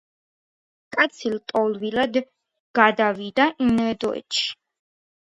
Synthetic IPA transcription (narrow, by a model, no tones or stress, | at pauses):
kʼat̪sʰilt̪ʼɔlˠvilad̪ | ɡ̥ad̪avid̪aʔinɛd̪ɔɛ̰t̪ʃi̥